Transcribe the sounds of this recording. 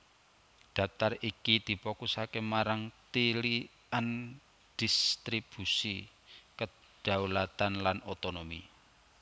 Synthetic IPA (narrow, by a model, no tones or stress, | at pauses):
ɖ̪̥a̤p̚t̪arikid̪̥i̤pɔkusakemaɾaŋt̪ili | an | d̪̥i̤st̪ɾib̥ṳsi | kə | ɖ̪̥a̤ulat̪anlanot̪onomi